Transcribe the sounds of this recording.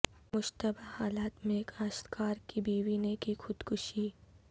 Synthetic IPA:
mʊʃt̪əbahaːlaːt̪mẽkaːʃt̪kaːɾkibiːwinekixʊd̪kʊʃiː

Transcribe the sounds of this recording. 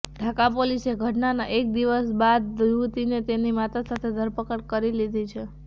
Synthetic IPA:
ɖʱakapoliseɡʱəʈnanaʔek̚d̪iʋəsbad̪̚ut̪inet̪enimat̪asat̪ʰed̪ʱəɾpəkəɽkəɾilid̪ʱit͡ʃʰe

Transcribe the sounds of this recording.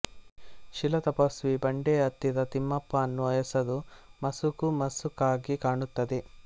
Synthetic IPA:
ʃilɐt̪ɐpɐsʋibɐɳɖeːɐt̪ːid̪ɐt̪imːɐpːaːnːuɐjɐsɐd̪umɐsukumɐsukaːɡikaːɳut̪ːɐd̪i

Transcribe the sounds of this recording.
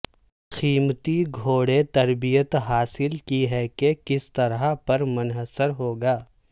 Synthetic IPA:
xiːmt̪iɡʱoːɽet̪ɐɾbijət̪ɦaːsɪlkiɦɛkekɪst̪ɐɾapɐɾmʊnɦəsəɾɦoːɡaː

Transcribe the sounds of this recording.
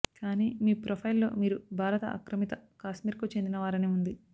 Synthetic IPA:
kaːniːmiːpɾopʰɐjlːo̞̰ːmiːɾubʱaːɾɐt̪ɐ̰ʔɐ̰kɾɐmit̪ɐkaːʃmiːɾkuːt͡ʃe̞nd̪inɐʋaːɾɐneːund̪i

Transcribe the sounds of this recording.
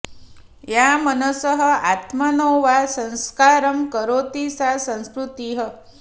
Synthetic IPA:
jamənəsəɦə̆at̪mənoʋasə̃ñskaɾəmkəɾot̪isasə̃w̃skɾut̪iɦə

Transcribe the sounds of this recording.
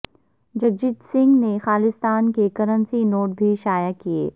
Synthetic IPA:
d͡ʒɐɡ̚d͡ʒid̪sɪ̃ŋɡnexaːlɪst̪aːnkekɐɾənsinoːʈ̚bʱiʃaːjakiḛː

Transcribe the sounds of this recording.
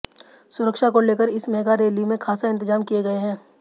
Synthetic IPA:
sʊɾəkʃakoleːkəɾɪsmɛːɡaɾeːlimẽkʰaːsaɪ̃nt̪ɪzaːmkieɡɐeɦɛ̃ː

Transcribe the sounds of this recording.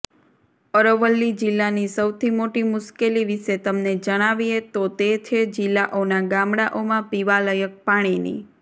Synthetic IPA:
əɾəʋəlːid͡ʒilːanisəwt̪ʰimoʈimʊʃkeliʋiʃet̪əmned͡ʒəɽ̃aʋiet̪ot̪et͡ʃʰed͡ʒilːaʔonaɡamɽaʔomãpiʋaləjək̚paɽ̃inḭ

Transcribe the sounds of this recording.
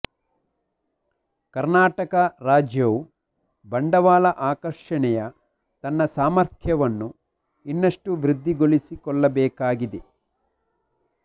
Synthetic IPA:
kɐɾnaːʈɐkɐɾaːd͡ʒjɐʋu | bɐɳɖɐʋaːlɐʔaːkɐɾʂɐɳɛjɐ | t̪ɐnːɐsaːmɐɾt̪ʰjɐʋɐnːu | inːɐʂʈuʋɾid̪ːiɡoɭisikɔɭːɐbɛːkaːɡid̪e

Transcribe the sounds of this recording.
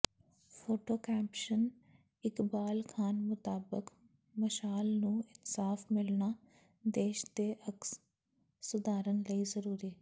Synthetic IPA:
pʰoːʈoːkɛːpʃən | ɪkbaːlkʰaːnmʊt̪aːbək | məʃaːlnũːɪnsaːfmɪlɳaː | d̪eːʃd̪eːʔəks | sʊd̪aːɾənləiːzəɾuːɾiɛ

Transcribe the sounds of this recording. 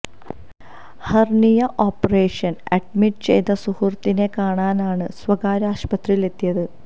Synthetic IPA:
hɐrɳijɐʔoːpːɐreːʂɐnɐɖ̚miʈːɨt͡ɕe̞̰jt̪ɐsuhurt̪ːine̞kaːɳaːnaːɳɨsʋɐɡaːɾaːɕpɐt̪rijile̞t̪ːijɐðɨ

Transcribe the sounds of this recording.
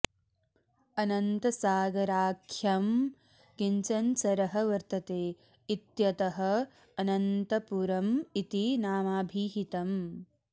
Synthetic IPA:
ɐnɐnt̪ɐsaːɡɐɾaːkʰjɐm | kiɲt͡ʃɐnsɐɾɐɦɐʋɐɾt̪ɐt̪eː | it̪jɐt̪ɐɦɐː | nɐnt̪ɐpuɾɐmit̪inaːmaːbʱiːɦit̪ɐm

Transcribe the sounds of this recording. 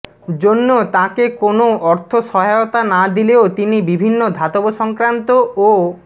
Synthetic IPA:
d͡ʑonːot̪ãkekonoɔɾt̪ʰoʃɔɦajot̪anad̪ileot̪inibibʱinːod̪ʱat̪oboʃɔŋkɾant̪oo

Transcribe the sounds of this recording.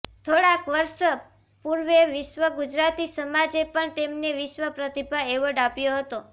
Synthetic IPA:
t̪ʰoɽakʋəɾʃə | puɾʋeʋɪʃʋəɡud͡ʒɾat̪isəmad͡ʒepəɳt̪emneʋɪʃʋəpɾət̪ibʱaeʋəɖapjoɦət̪o

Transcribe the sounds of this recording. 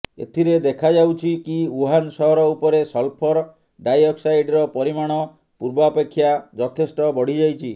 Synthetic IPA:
ḛt̪ʰiɾed̪ekʰad͡ʒawt͡ʃʰikiuɦansɔɦɔɾɔupɔɾesɔlpʰɔɾ | ɖajɔksajɖɾɔpɔɾimaɽ̃ɔ | puɾbɔapekʰːjad͡ʒɔt̪ʰesʈɔbɔɽ̤id͡ʒajt͡ʃʰi

